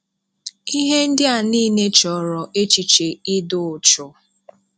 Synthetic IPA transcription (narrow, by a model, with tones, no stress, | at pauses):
i˦ɦe˦n̩˦dɪ˦a˨niː˦˨ne˦t͡ʃɔ˨ɾɔ˨ʔe˦t͡ʃi˨t͡ʃe˨ɪ˦dʊ˨ʊ˨t͡ʃʊ˨